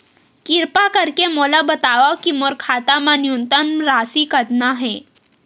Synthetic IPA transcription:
kɪɾpakəɾkemolabɐt̪aʋakimoɾkʰaːt̪amãnijunt̪ənɾaːsikəɾnaɦɛː

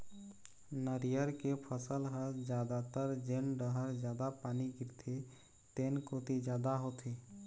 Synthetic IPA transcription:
nəɾijəɾkepʰəsəlɦəɾd͡ʒjaːd̪at̪əɾd͡ʒenɖəɦəɾd͡ʒjaːd̪apaːniɡɪɾt̪ʰe | t̪eːnkot̪id͡ʒjaːd̪aɦot̪ʰeː

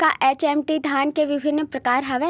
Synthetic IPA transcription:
kaʔeːt͡ʃeːmʈid̪ʱaːnkeʋɪbʱɪnːəpɾɐkaːɾɦɐʋe

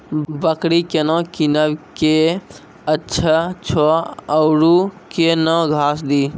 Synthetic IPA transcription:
bəkɽikenɔ̃kinəbke | ətːʃʰət͡ʃʰɔəʊɾukenɔ̃ɡʱasd̪i

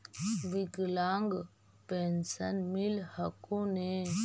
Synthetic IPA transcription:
ʋiɡlaŋɡ | pensənmilhəkone

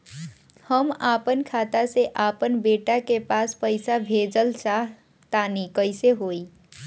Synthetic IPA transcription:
həmapənkʰat̪aseʔapənbeʈakepaspəjsabʱed͡ʒəlt͡ʃaɦ | t̪anikəjseɦoj

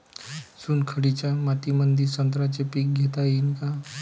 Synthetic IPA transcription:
sunkʰəɽit͡ʃamat̪imənd̪iɾsənt̪ɾat͡ʃepik̚ɡʱet̪ainka

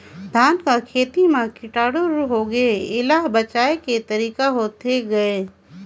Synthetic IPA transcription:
d̪ʱaːnkakʰeːt̪imẽkɪʈaːɽoɾuɦoɡɐeɪlaːɦbət͡ʃaːeket̪ɐɾiːkaɦoːt̪eɡɐeː

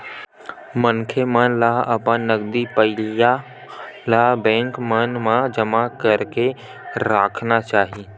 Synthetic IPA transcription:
mənkʰemənlaɦəpãnəɡd̪ipəɪlija | labɛ̃ːŋkmənmãd͡ʒəmakəɾke | ɾaːkʰnat͡ʃaːɦi

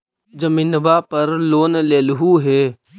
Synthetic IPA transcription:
d͡ʒəmĩːnəbapɐɾloːnleːlɦuɦeː

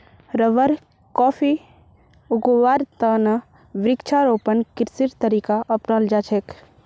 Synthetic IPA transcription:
ɾəʋəɾ | kɔːfʰi | ʊɡoʋaːɾt̪anɐ | ʋɾɪkt͡ʃʰaɾoːpənkɪɾsiɾt̪əɾiːkaʔɐpnald͡ʒaːt͡ʃʰek

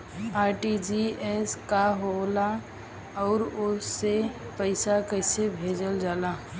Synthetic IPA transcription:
aːɾʈid͡ʒiɛskaɦola | ɔːɾʊe | pəɪsakəɪsebʱeːd͡ʒəld͡ʒaːlaː

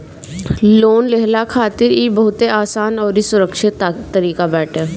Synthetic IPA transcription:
loːnleɦlakʰaːt̪ɪɾibɐɦʊt̪eaːsaːnɔːɾisʊɾəkʃɪt̪ːəɾiːkabɛːʈʰeː

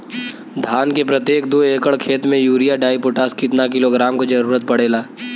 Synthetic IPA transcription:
d̪ʱaːnkepɾɐt̪jeːk̚d̪oːeːkəɭkʰeːt̪mẽjuːɾijaɖaːipoʈaːskɪt̪nak̬ɪloɡɾaːmkod͡ʒɐɾuːɾət̪̚pɐɽ̤eːlaː

